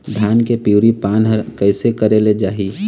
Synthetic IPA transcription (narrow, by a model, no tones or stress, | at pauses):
d̪ʱaːnkepiʊɾipaːnɦəɾkəɪsekəɾeled͡ʒaːɦi